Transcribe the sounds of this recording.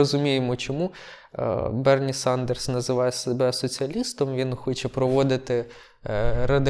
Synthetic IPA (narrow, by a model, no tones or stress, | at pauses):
ɔzʊmʲijemɔt͡ʃɔmṵ | bɛrnʲisɑnd̪ersnɐzɪʋɑjɛsebɛsɔt͡sʲiɐlʲist̪ɔmʋʲinxɔt͡ʃɛpɾɔʋɔd̪ɪt̪ɪ | ɾɐd̪ɪ